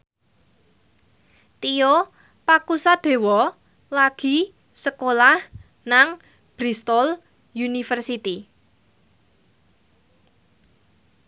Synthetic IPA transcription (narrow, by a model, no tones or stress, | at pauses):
t̪ijo | pakusad̪̥e̤wɔ | laɡ̥i̤ | səkolah | naŋ | b̥ɾist̪ɔl | junifərsit̪i